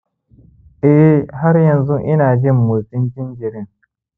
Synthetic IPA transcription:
ʔɛ˦ʔɦa˦ɾjɐ˨nzu˦ʔɪ˦naː˨d͡ʒɪ˦mːu˨tɪ˦nt͡ʃɪ˦nd͡ʒɪ˨ɾɪ˦ŋ

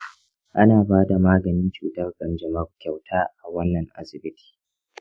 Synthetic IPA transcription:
ʔa˦naː˨baː˦da˨maː˦ɡɐ˨nɪ˦nt͡ʃuː˨tɐ˦rkʼɐ˨nd͡ʒɐ˨mɐ˦rkʲa˨wtʰaː˦ʔa˨wɐ˦nːɐ˨ŋʔa̰˨sɪ˨bɪ˦tʰi̥ː˨

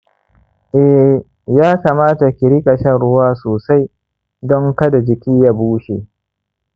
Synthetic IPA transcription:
ʔɛ˨ | jaː˦kaː˨maː˦ta˨kʲɪ˨ɾi˦kʼɐ˨ʃɛ˦nɽʊ˦waː˦soː˨sa˦j | dɔ˦ŋkɐ˦da˨d͡ʒɪ˨kʲiː˦ja˦buː˦ʃe˨

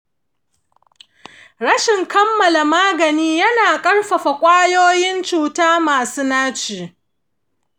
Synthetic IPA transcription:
ɽɐ˦ʃɪ˨ŋkɐ˦mːɐ˨la˨maː˦ɡɐ˨niː˦jɐ˦naː˨kʼɐ˦rɸɐ˨ɸa˨kʷʼaː˦joː˦jɪ˦nt͡ʃuː˨taː˦maː˨suː˦naː˦t͡ʃiː˨

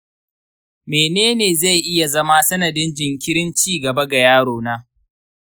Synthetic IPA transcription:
meː˨neː˦neː˨za˦˨jʔɪ˦ja˨zɐ˦ma˦sɐ˦nɐ˨dɪ˦nd͡ʒɪ˨ŋkʲɪ˦ɽɪ˦nt͡ʃiː˦˨ɡɐ˨bɐ˦ɡa˨jaː˦ɽoː˨naː˦

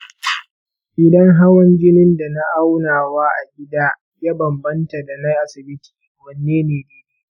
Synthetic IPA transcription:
ʔɪ˨dɐ˦ŋɦa˦wɐ˦nd͡ʒɪ˦nɪ˦nda˨na˦ʔa˦wnaː˨waː˦ʔa̰˨ɡʲɪ˦daː˦ | ja˦bɐ˨mbɐ˦nta˨da˨na˦jʔa˨sɪ˨bɪ˦ti̥ː˨ | wɐ˨nːeː˦neː˨deː˦i˦

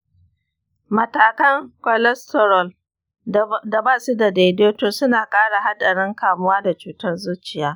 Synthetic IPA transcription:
mɐ˨taː˨kɐ˦ŋkʷɔ˨lɛ˦stɔ˨ɾɔ˨l | da˨baː˦su˦da˨da˨doː˦toː˨sʊ˦naː˨kʼaː˦ɽa˨ɦa˦ɗɐ˨ɽɪ˦ŋkaː˨mʊ˦waː˦da˨t͡ʃuː˨tɐ˦rzu˦t͡ʃɪ˨jaː˦

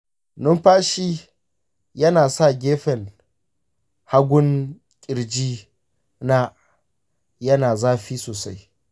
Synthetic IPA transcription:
nʊ˦mɸaː˦ʃiː˦ | jɐ˦naː˨sa˦˨ɡʲeː˦ɸɛ˨n | ha˦ɡʷʊ˦ŋ | kʲʼɪ˨ɾd͡ʒiː˦ | na˦ | jɐ˦naː˨zaː˦ɸiː˦soː˨sa˦j

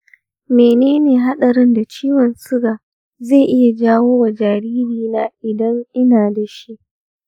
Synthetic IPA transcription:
meː˨neː˦neː˨ɦa˦ɗɐ˨ɾɪ˦nda˨t͡ʃiː˦wɔ˨nsʊ˦ɡaː˨ | ze˦˨ʔɪ˦ja˨d͡ʒaː˦woː˦wa˨d͡ʒaː˨ɾiː˦ɾiː˦˨naː˦ʔɪ˨dɐ˦ŋʔɪ˦naː˨da˨ʃi˦ʔ

